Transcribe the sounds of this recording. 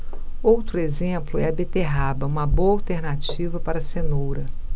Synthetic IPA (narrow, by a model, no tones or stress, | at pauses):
owt̪ɾʊezẽplʊɛɐbet̪eɦabɐũmɐboɐawt̪eɾnat͡ʃivɐpaɾɐsenowɾɐ